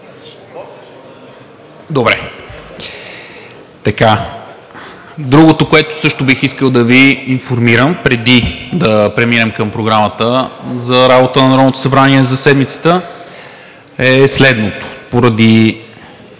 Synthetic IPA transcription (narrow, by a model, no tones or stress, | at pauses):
d̪obɾɛ | t̪ɐka | d̪ɾuɡot̪okoɛt̪o̥sɤʃt̪obixiskəlˠd̪ɐviːnfoɾmiɾəmpɾɛd̪id̪ɐpɾɛminɛmkəmpɾoɡɾamət̪əzɐɾabot̪ənɐnɾɔvnot̪o̥sɐbɾaniɛzɐsɛd̪mit̪sə̥t̪ə | ɛslɛd̪not̪o̥poɾɐd̪i